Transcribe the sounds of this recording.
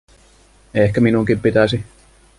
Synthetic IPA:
ehkæminuŋkippit̪æsi

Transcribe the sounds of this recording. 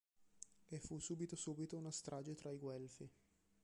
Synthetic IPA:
efusuːbit̪osuːbit̪ounast̪ɾʔaːd͡ʒet̪ɾaiɡwɛlfi

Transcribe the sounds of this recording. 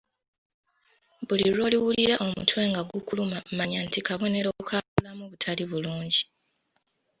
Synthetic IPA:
βuliɾo̞ːliwuliɾaʔo̞mṵtʰwe̞ːŋɡaɡukulumammaɲantikaβo̞ne̞ɾoukʰaβulamuβutʰaliβuluːɲɟi

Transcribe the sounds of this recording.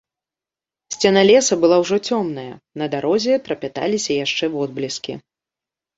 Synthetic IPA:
sʲt͡sʲɛnɐlʲɛsɐbɨlˠawʐɔt͡sʲɔmnɐjɐ̰nɐd̪aɾɔzʲɛt̪ɾɐpʲat̪a̰lʲisʲɐjaʂt͡ʂɛvɔd̪̚blʲiskʲḭ

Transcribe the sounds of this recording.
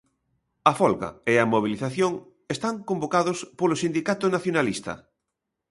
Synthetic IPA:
ɐfɔlɣa̰eɐmoβ̞iliθaθjoŋ | est̪aŋkombokaðospolosind̪ikat̪ʊnaθjonalist̪ɐ̰

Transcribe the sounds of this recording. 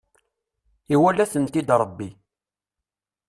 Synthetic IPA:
iwælːæθənt̪id̪ɾˤəbːi

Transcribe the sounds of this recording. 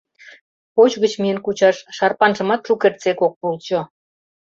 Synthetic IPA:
pot͡ɕɣət͡ɕmijənkut͡ɕɑʃːɑrpɑnʒə̆mɑt̪ʃukert̪t͡sekok̚pulˠt͡ɕo

